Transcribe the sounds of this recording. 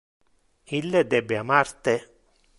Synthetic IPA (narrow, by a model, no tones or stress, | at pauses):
ilːed̪ɛbːeamart̪e